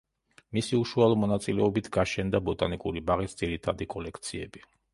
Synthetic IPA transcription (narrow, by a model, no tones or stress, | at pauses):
misiuʃualˠɔmɔnat̪sʼilɛɔbit̪ʰɡaʃɛnd̪abɔt̪ʼanikʼuɾibaʁisd̪z̥iɾit̪ʰad̪ikʼɔlɛkʰt̪sʰiɛ̰bi